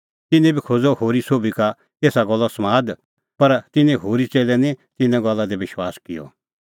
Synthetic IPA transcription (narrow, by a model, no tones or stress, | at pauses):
t̪ɪnɛ̃bʱikʰod͡zɔhoːɾisoːbika | eːsaɡɔlːɔsmaːd̪ | pɐɾt̪ɪnẽɦoːɾit͡seːlɛnit̪ɪnɛ̃ɡɔlːad̪eʋɪʃwaːskɪjɔ̰